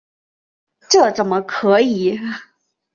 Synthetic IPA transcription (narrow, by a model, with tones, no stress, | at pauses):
ʈ͡ʂɤ˥˩ʈ͡ʂə˨˩nmə˦kʰɤ˧˥i˨˩˦